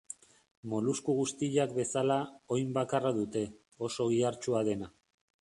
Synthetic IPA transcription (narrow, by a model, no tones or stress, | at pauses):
mo̞luskuɣust̪iʎakbe̞salao̞jmbakaraðut̪e̞ | o̞so̞ɣiaɾt͡ʃuaðe̞na